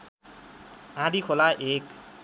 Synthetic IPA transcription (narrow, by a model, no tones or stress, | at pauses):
ãd̪ikʰolaʔek